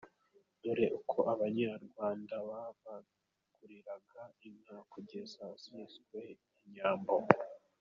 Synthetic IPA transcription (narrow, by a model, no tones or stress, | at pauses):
duɾe̞ʔukʰo̞ʔaβaɲaɾɡwaːndaβaβa | ɡ̥uɾiɾaɡainhakʰoɟezasizɡwe̞ | iɲaːmbo